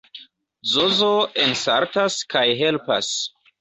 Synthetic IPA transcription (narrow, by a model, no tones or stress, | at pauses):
zozoensaɾtaskajɦelpa̰s